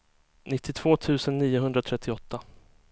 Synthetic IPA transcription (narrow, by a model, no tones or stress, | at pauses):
nɪt̪ʰːɪt̪ʰv̥oːt̪ʰʉ̟ːsənːiːʊɦɵnd̪ɾat̪ʰɾɛt̪ʰːɪɔt̪ʰːa